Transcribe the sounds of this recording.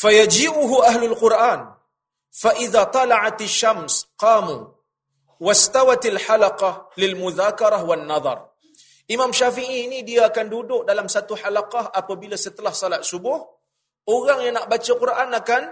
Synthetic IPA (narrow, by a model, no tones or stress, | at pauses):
fajad͡ʒiːʔʊɦuʔaɦlʊlqʊrʔaːn | faʔiðat̪ˤɑlaʕat̪aʃːamsqɑːmṵ | wast̪awat̪alħalaqɑhlɪlmuðaːkɑɾˤahwanːɑðˤɑ̰r | ʔimamʃafiʔiːnidiaːkandudʊk̚dalamsat̪uħalaqaɦapabilasət̪əlahsalat̪̚subʊh | oɣaŋjaŋnaʔbat͡ʃaqʊrʔanakan